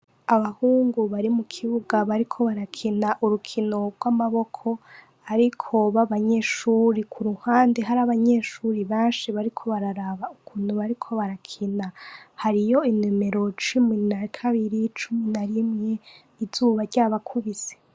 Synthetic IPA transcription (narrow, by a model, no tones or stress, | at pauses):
aβahuːŋɡuβaɾimukʰiβuɡaβaɾikʰo̞βaɾakʰinaʔuɾukʰino̞ɡwamaβo̞kʰo̞ | aɾikʰo̞βaβaɲe̞ʃuːɾikʰuɾuhaːndeɦaɾaβaɲeʃuɾiβeːnʃiβaɾikʰo̞βaɾaɾaβaukʰuːn̥huβaɾikʰo̞βaɾakʰinahaɾijo̞inimeɾo̞t͡ʃuminaɾikʰaβiɾit͡ʃuminaɾimŋe̞ | izuːβaɾɟaːβakʰuβiz̥e̥